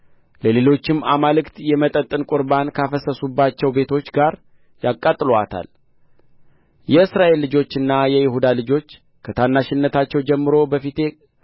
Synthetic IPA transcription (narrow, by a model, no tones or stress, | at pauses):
ləle̞lo̞t͡ʃːɪmːamalɨkt̪jɛmət̪ʼət̪ʼːɨnkʼʊɾbankʰafəsəsubːat͡ʃːɛwbe̞t̪ʰo̞t͡ʃːɡaɾ | jakʼːat̪ʼːɨloat̪ʰa̰l | jɛɨsɾaʔe̞lːɨd͡ʒo̞t͡ʃːɨnːajɛjɪhud̪alɨd͡ʒo̞t͡ʃː | kʰət̪ʰanːaʃɪnːət̪ʰat͡ʃːɛwd͡ʒɛmːɨɾo̞bəfit̪ʰe̞